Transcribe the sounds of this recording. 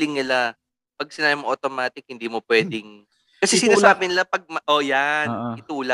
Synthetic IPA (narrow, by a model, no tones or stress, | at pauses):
lɪŋnɪla | pɐɡ̚sɪnaːbɪmoʔot̪omaːt̪ɪk̚hɪnd̪iːmopwɛːd̪ɪŋ | kɐsɛsɪnaːsaːbɪnɪlapɐɡ̚mɐʔojanɪt̪uːla